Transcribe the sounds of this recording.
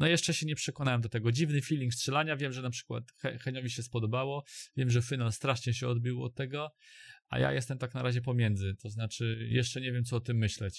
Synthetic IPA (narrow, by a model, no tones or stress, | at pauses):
nɔjɛʂt͡ʂɛɕɛɲɛpʂɛkɔnawɛmd̪ɔt̪ɛɡɔd͡ʑivnɘfʲilʲiŋkstʂɛlaɲavʲjɛmʐɛnapʂɘ̥kwa̰t̪xɛ̰xɛɲɔvʲiɕɛspɔd̪ɔbawɔvʲjɛmʐɛfinalst̪ɾaʂɲɛɕɛɔd̪bʲiwɔ̰t̪ːɛɡɔa̰ja̰jɛst̪ɛmt̪aknaɾaʑɛpɔmʲjɛnd̪zɘt̪ɔznat͡ʂɘjɛʂt͡ʂɛɲɛvʲjɛmt̪sɔɔt̪ɘmːɘɕlɛt͡ɕ